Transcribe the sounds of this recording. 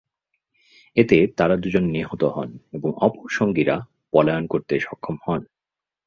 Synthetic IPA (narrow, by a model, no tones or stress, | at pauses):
et̪et̪aɾad̪ud͡ʑonːiɦot̪oɦɔ̰neboŋɔpoʃoŋɡiɾa̰ | pɔlaonkoɾt̪eʃɔkʰːomhɔn